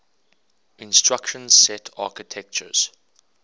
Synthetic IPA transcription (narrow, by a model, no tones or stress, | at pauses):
ɪ̃nstɹakʃə̃nzsɛtʰa̰ːkɪtʰɛk̚t͡ʃə̰z̥